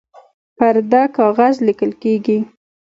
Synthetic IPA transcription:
paɾd̪akɑɣazlikəlkeɡi

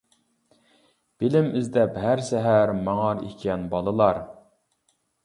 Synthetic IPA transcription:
b̥ɪlɪmɪzd̪ɛpɦæɾsɛɦæɾmɑŋɑɾḭkʲʰɛnbɑlˠəlˠɑɾ

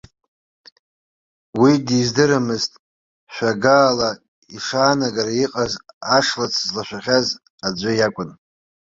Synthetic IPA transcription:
widizdɨɾamɨztʼ | ʃᶣʷaɡaːla | iʂaːnaɡaɾaiqʼazaʂlat͡sʰzlaʃᶣʷaχʲaz | ad͡ʒʷajakʷʼʊn

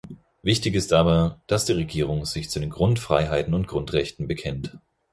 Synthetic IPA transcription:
vɪçtɪçɪstʔaːbɐd̥asd̥iːʁ̞eɡiːʁ̞ʊŋz̥ɪçt͡sudeːnɡʁʊntfʁ̥a̰ɪɦaɪtn̩ʊnt̚ɡ̥ʁʊntʁ̥ɛçtn̩bəkʰɛnt

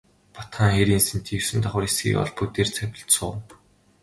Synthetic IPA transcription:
pɔt̪χaːŋxeɾinsɘ̆nt̪ʰiwsɘ̆nt̪ʰɔχə̆resɡḭːkɔ̰ɮput̪eːrt͡sʰæpʲɪ̆ɬt̪sʊː

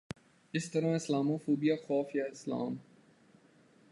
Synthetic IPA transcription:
ɪst̪ɐɾãːɪslaːmoːfoːbijaːxɔːfjaɪsla̰ːm

